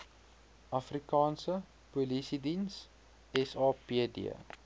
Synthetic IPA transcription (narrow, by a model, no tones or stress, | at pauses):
ʔɐfrikɑːnsə | pulisidins | ɛsɑːpiədḭə̰